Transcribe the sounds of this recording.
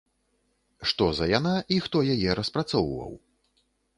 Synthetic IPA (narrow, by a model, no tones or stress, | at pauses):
ʂt̪ɔzɐjanaʔixt̪ɔjajɛɾɐspɾat̪sɔwvɐ̰w